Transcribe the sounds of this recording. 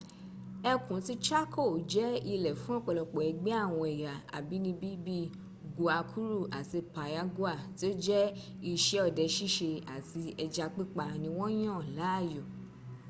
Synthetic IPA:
ɛ˧kũ˨˦ti˧t͡ʃa˦ko˦˨d͡ʒɛ˦i˧lɛ˨fũ˨˦ɔ˦˨k͡pɔ˧lɔ˨k͡pɔ˨ɛ˨˧ɡ͡bɛ˦a˦˨w̃ɔ̃˧ɛ˨ja˨a̰˨bi˨˦nĩ˧bi˦bi˦ | ɡu˨˧a˧kʰu˦ɾu˦˨a˨ti˧˨pa˨ja˧˦ɡu˦a˦˨ti˨˦o˦d͡ʒɛ˦ | i˧ʃɛ˦ɔ˦˨dɛ˧ʃi˦ʃe˧a˨ti˧ɛ˧d͡ʒa˧k͡pi˦k͡pa˧nĩ˧w̃ɔ̃˦j̃ã˦˨la˨˦˨jo˨

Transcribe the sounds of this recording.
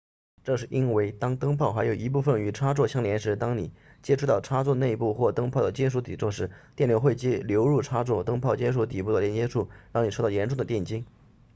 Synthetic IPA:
ʈ͡ʂɤ˥˧ʂɻ̩˥˩ʔi˥nwe˥˩ɪt̪ɑ˥ŋt̪ɤ˥ŋpʰɑ˥˩ʊxa˧˥ɪjo˨˩ʊi˧˥p̬u˥˩fə˩ny˧˩ʈ͡ʂʰa˥t͡swɔ˥˩ɕjɑ˥˩ŋljɛ˧˥nʂɻ̩˧˥t̪ɑ˥ŋni˨˩ | t͡ɕjɛ˥ʈ͡ʂʰu˥t̪ɑ˥˩ʊʈ͡ʂʰa˥t͡swɔ˥˧ne˥˧ɪpu˥˧xwɔ˥˩t̪ɤ˥ŋpʰɑ˥˩ʊd̪ə˩t͡ɕjɛ˥nʂ̬u˧˥t̪i˨˩t͡swɔ˥˧ʂɻ̩˥˩t̪jɛ˥˩nljʊxwe˥˩ɪt͡ɕi˥ljo˧˥ʊɻu˥˩ʈ͡ʂʰa˥t͡swɔ˥˩t̪ɤ˥ŋpʰʊt͡ɕjɛ˥nʂ̬u˧˥t̪i˨˩pu˥˩d̪ə˩ljɛ˧˥nt͡ɕjɛ˥ʂʰu˥˩ɻɑ˥˩ŋni˨˩ʂʰt̪ɑ˥˩jɛ˧˥nʈ͡ʂʊ˥˩ŋd̪ə˩t̪jɛ˥˩nt͡ɕi˥ŋ

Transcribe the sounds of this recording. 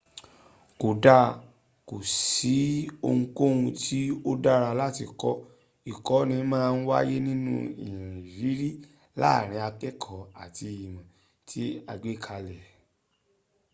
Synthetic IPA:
ko˨da˦˧ | ko˨si˨˦o˧ŋũ˧ko˦ũ˧tʰi˦o˦da˦ɾa˧la˦ti˧kɔ˦ | i˨kɔ˨˦nĩ˧˦mãː˦˧n̩˦wa˦je˦nĩ˦nṵ̃˦ḭ˨j̃ã˨i˨vi˨˦ɾi˦ | la̰˦˨ɾ̃ĩ˧˦a˧k͡pɛ˦kʰɔ˨a̰˨ti˧i˨mã˨ | tʰi˨˦a˧ɡ͡be˦˨kʰa˧lɛ˨

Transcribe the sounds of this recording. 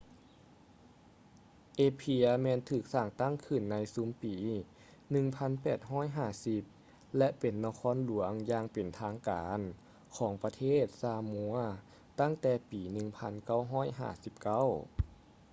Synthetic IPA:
ʔeː˧pʰiː˧əmɛː˧˨nt̪ʰɯː˧˩k̚saː˧˩ŋt̪a˥˨ŋkʰɯ˧˩nːa˧˥jsuː˨˦mpiː˨˩˦ | nɯ˧ŋpʰa˧˥˨npɛː˨˩t̪̚ɦɔː˧˥˨jɦaː˧˩si˧˥p̚ | lɛ˧ʔpe˨˩nːa˧kʰɔː˧˥˨nlu˨˩˦əŋjaː˧ŋpe˨˩nt̪ʰaː˧˥ŋkaː˨˦n | kʰɔː˩˦ŋpa˧t̪ʰeː˥˩t̪̚saː˧mu˧˦ɐ | t̪a˥˩˨ŋt̪ɛː˧˩piː˨˦nɯ˧˩ŋpʰa˧˥˨nka˧˥˩wɦɔː˥˩˨jɦa̰ː˧˩si˧˦p̚ka˧˥˩w

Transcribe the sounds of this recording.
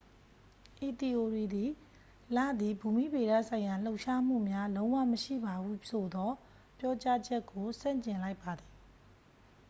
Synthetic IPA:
ʔi˨t̪i˨ʔo˨ɹi˨d̪i˨ | lä̰˦˨d̪i˨bu˨mi˦˨be˨ɾa̰˦˨sʰã˨ɪ̃ja˨l̥o˦ʊʔʃa˦m̥ṵ˦˨mja˦lõ˦ʊ̃wa̰˦˨məʃḭ˦˨ba˨bu˦sʰo˨d̪ɔ˦ | pjɔ˦t͡ɕa˦d͡ʑɛ˦kːo˨sã̰˦˨ɲt͡ɕɪ̃˨la˦ɪpːa˨d̪ði˨

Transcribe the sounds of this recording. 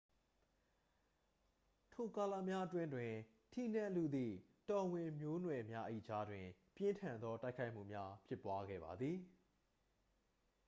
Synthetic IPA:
tʰo˨ka˨la˦˨mja˦ʔətwɪ̃˦ndwɪ̃˨ | tʰi˦˨n̥ã˦ʔlu˦˨d̪ḭ˦˨ | tɔ˨wɪ̃˨mjo˦nwɛ˨mja˦ʔəʔḭ˦˨d͡ʑa˦dwɪ̃˨ | pjɪ̃˦ntʰã˨nd̪ɔ˦ta˦ɪkʰːa˦ɪʔm̥ṵ˦˨mja˦pʰjɪ˦pːwa˦ɡɛ̰˦˨ba˨d̪ði˨

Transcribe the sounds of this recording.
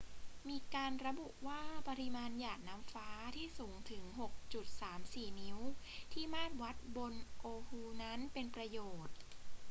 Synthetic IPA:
miː˧kaː˧nɾa˧bu˨˩ʔwaː˥˩pa˧ɾi˧maː˧njaː˨˩k̚na˦˥mfaː˦˥t̪ʰiː˥˩suː˩˦ŋt̪ʰɯ˩˦ŋɦo˨˩k̚t͡ɕu˨˩t̪̚saː˩˦msiː˨˩ni˦˥w | t̪ʰiː˥˩maː˥˩t̪̚wa˦˥t̪̚bo˧nʔoː˧huː˧na˦˥npe˧npɾa˧joː˨˩t̪̚

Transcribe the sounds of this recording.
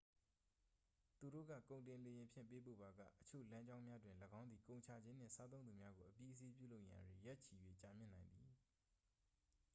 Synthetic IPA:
t̪u˨ɾo̰˦˨ɡä̰˦˨kõ˨ʊ̃ntɪ̃˨le˨jɪ̃˨mpʰjɪ̰̃˦˨mpe˦po̰˦˨ba˨ɡä̰˦˨ʔət͡ɕʰo̰˦˨lã˦ɲd͡ʑã˦ʊ̃mja˦dwɪ̃˨ləɡã˦nd̪i˨kõ˨ʊ̃ɲt͡ɕʰa˨d͡ʑɪ̃˦n̥ɪ̰̃˦˨sa˦t̪̬õ˦ʊ̃d̪u˨mja˦ɡo˨ʔəpji˦ʔəs̬e˦p̬ju˦˨lo˦ʊʔja̰˨dwe˨jɛ˦t͡ɕʰi˨jwḛ˦˨t͡ɕa˨mjɪ̰˦˨nã˨ɪ̃nd̪i˨

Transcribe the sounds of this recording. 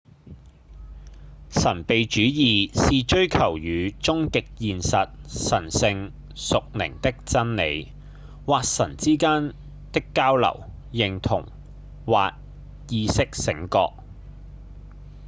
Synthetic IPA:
sɐ˨˩npe˨jt͡ʃyː˨˥jiː˨siː˨t͡ʃɵ˥ɥkʰɐ˨˩wjyː˨˧t͡sʊ˥ŋkɪ˨k̚jiː˨nsɐ˨t̚sɐ˨˩nsɪ˧ŋ | sʊ˨k̚lɪ̰˨˩ŋt̪ɪ˥k̚t͡sɐ˥nle˨˧j | waː˨k̚sɐ˨˩nt͡siː˥kaː˥n | t̪ɪ˥kːaː˥wlɐ̰˨˩w | jɪ˨ŋt̪ʰʊ̰˨˩ŋ | waː˨k̚ | jiː˧sɪ˥k̚sɪ˨˥ŋkɔ̰ː˧k̚

